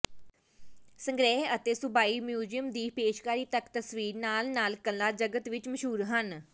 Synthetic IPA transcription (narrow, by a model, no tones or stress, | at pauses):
səŋɡɾɛːɦət̪eːsʊbaːiːmjuːd͡ʒijəmd̪iːpeːʃkaːɾiːt̪əkt̪əsʋiːɾnaːlnaːlkəlːaːd͡ʒəɡət̪ʋɪt͡ʃməʃɦuːɾɦən